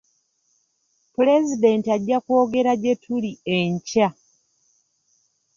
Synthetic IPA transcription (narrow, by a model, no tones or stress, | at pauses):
pule̞zide̞ntiaɟːakwo̞ːɡe̞ɾaɟe̞tʰulieɲca